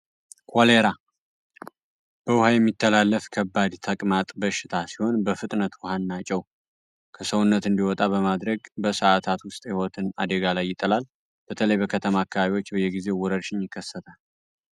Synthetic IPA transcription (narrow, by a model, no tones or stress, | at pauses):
kʰoleɾa | b̥əwʊhajɛmːit̪ʰːəlalːəfkʰəbːad̪t̪ʰəkʼmat̪ʼbəʃːɪt̪ʰasiho̞nbəfɨt̪ʼnət̪wʊhanːat͡ʃʼɛw | kʰəsəwnːət̪ɨnd̪iwɔt̪ʼabəmad̪ɾəɡbəsəat̪ʰat̪wʊst̪ʼhihot̪ʰɨna̰d̪əɡalajːɪt̪ʼəlal | b̥ət̪ʰələjbəkʰət̪ʰəmaːkːəβaβiwo̞t͡ʃːbəjɛɡize̞wɔɾəɾʃɪnjɪkːəsːət̪ʰal